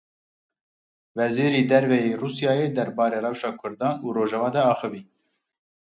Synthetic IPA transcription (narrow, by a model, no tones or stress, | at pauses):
vɛziːɾiːd̪ɛɾvɛjeːruːsjɑːjeːd̪ɛɾbɑːɾeːrɛwʃɑːkʰʊɾd̪ɑːnuːroːʒɛvɑːd̪ɛɑːxɨviː